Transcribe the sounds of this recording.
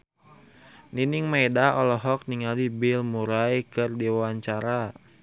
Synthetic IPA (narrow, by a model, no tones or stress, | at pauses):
niniŋmaidaʔɔlɔɦɔk̚niŋalibilmuɾajkɨrdiwawaɲt͡ʃaɾa